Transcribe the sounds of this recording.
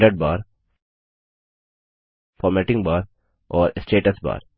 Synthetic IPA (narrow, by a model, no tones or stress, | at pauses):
ʈəɖ̚baːɾ | fɔːɾmɛʈɪ̃ŋɡbaːɾ | ʔɔːɾesʈeːʈəsba̰ːɾ